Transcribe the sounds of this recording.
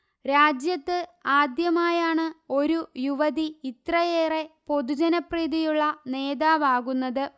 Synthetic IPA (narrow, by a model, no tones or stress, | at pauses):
ɾaːd͡ʑjɐt̪ːɨaːd̪jɐmaːjaːɳɨo̞ɾujuʋɐðiit̪rɐjeːre̞po̞d̪ud͡ʑɐnɐpriːðijuɭːɐne̞ːðaːʋaːɣunːɐðɨ